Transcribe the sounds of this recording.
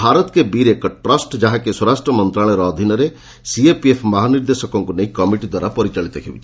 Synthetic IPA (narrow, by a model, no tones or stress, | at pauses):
bʱaɾɔt̪kebiɾekɔʈɾɔsʈd͡ʒaɦakeswɔɾasʈɾɔmɔnt̪ɾaɭ̃ɔɾɔːd̪ʱinɔɾe | siepiepʰmɔɦaniɾd̪esɔkɔŋkuneikɔmiʈid̪waɾapɔɾit͡ʃaɭit̪ɔkʰebit͡ʃʰi̥